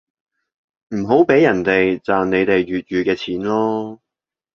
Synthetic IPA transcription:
m̩˨˩ɦo˨˥wpe˨˥jɐ˨˩nt̪e˨jt͡saː˨nne˨˧jt̪e˨jɥyː˨t̚jyː˨˧kɛː˧t͡sʰiː˨˥nlɔː˥

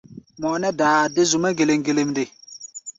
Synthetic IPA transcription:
mɔ˨nɛ˦daː˨dɪ˦zʊ˨ma˦ɡe˨le˨ŋɡe˨le˨mdɪ˨

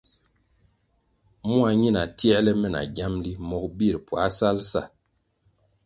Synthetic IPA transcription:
mu˦a˨ɲi˦na˨ti˦ɛ˦lɛ˦mɛ˦˨na̰˨ɡa˦mli˦mɔ˦k̚bi˦˨ɾpwa˨˦sa˦lsa̰˦˨

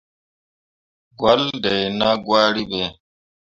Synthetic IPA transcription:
ɡwa˦ldɛ˨jna˦ɡwa˦ɾi˦bɛ˨

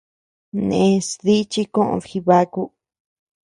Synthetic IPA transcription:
nḛ̃˨˧sði˦t͡ʃi˦kõ˦ʔõ̰˧˨xi˧βa˧ku˦

